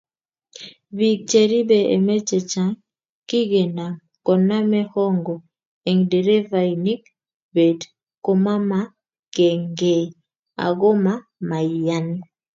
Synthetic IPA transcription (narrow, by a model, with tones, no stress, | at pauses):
bi˨k̚t͡ʃe˨ɾi˦be˨ḛ˨me˦t͡ʃe˨t͡ʃa˦ŋ | ki˦ɡe˨na˨ | kɔ˨na˦mɛ˦hɔ˦ŋɡɔ˨ | e˨ŋde˨ɾe˦va˨ini˦k | be˨d | ko˦ma˦ma˦ | ke˨ŋɡe˨ | a̰˨ɡo˦ma˦ | ma˨ja˦n